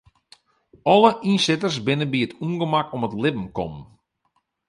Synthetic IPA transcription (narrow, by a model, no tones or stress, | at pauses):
ɔləʔinsɪtərsbɪnəbiətʰuŋɡəmakɔmətlɪbm̩kɔ̰mən